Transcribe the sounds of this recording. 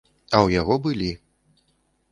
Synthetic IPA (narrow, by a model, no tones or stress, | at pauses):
ɐwjaɣɔbɨlʲi